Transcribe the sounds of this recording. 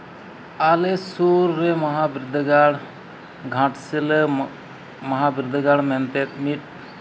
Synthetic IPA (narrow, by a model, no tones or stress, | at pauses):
alesuɾːemɐɦabɾɪd̪ʱɡaɽ | ɡʱãʈsile | mɐɦabɾɪd̪ʱɡaɽmɛnt̪et̪miʈ̚